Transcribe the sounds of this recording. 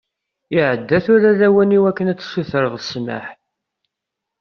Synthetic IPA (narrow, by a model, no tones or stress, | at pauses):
ɪʕəd̪ːæθʊɾaðæwæniwækːənæt͡sːsuθəɾəðˤəsma̰ħ